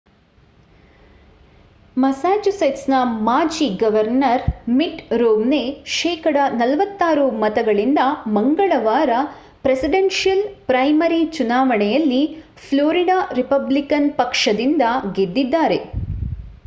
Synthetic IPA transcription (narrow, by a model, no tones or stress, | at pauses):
mɐsaːd͡ʒusɐjʈsnɐmaːd͡ʒiɡɐʋɐɾnɐɾmiʈɾoːmneʃɛːkɐɽɐnɐlɐʋɐt̪ːaːɾumɐt̪ɐɡɐɭind̪ɐmɐŋɡɐɭɐʋaːɾɐ | pɾesiɖenʂijɐlpɾɐjmɐɾit͡ʃunaːʋɐɳɛjɐlːi | pʰloːɾiɖaːɾipɐblikɐnpɐkʂɐd̪ind̪ɐɡed̪ːid̪ːaːɾe̞